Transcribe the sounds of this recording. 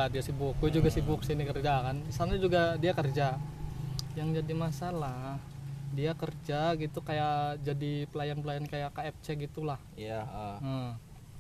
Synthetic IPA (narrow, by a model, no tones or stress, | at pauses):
adiasibʊk̚ːud͡ʒuɡasibʊk̚sinikərd͡ʒakansaanɲad͡ʒuɡadiakərd͡ʒa | jaŋd͡ʒadimasalah | diakərd͡ʒaɡit̪ukajad͡ʒadipəlajanpəlajankajakaɛp̚t͡ʃɛɡit̪ulahaə